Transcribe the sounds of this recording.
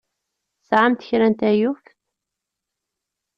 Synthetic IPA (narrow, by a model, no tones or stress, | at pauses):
sʕamt̪ə̥çɾænt̪æjuf